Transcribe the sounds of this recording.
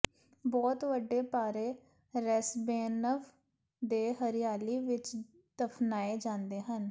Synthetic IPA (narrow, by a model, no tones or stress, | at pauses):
bɔːt̪ʋəɖːeːpaːɾeː | ɾɛsbeːnəʋ | d̪eːɦəɾɪjaːliːʋɪt͡ʃ | d̪̥əpʰnaːeːd͡ʒãːnd̪eːɦən